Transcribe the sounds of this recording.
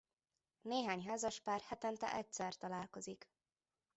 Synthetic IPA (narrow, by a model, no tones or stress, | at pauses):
neːɦaːɲɦaːzɒʃpaːrhɛt̪ɛnt̪ɛ̰ʔɛcsɛrt̪ɒlaːlko̞zik